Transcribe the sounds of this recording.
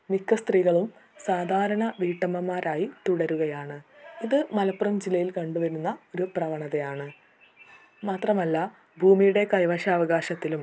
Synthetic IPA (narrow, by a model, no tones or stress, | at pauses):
nikːɐst̪riːɣɐɭumsaːd̪ʱaːɾɐɳɐʋiːʈːɐmɐmːaːɾaːjit̪uɽɐɾuɣɐjaːɳɨiðɨmɐlɐpːurɐmd͡ʑilːɐjilkɐɳɖuʋɐɾunːɐo̞ɾuprɐʋɐɳɐðejaːɳɨ | maːt̪rɐmɐlːɐ | bʱuːmijuɽe̞kɐjʋɐɕɐːʋɐɣaːɕɐt̪ːilum